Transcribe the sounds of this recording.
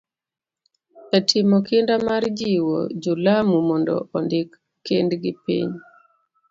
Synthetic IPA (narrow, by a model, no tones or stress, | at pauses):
ɛtʰɪmɔkɪndamard͡ʒiwo̰d͡ʒulamumɔndɔ̰ʔɔndɪkː | endɡɪpḭɲ